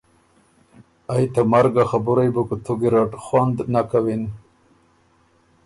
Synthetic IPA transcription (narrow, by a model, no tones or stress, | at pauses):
ajt̪amaɾɡaxabʊɾajbukut̪ʰuɡiɾaʈxwand̪nakawin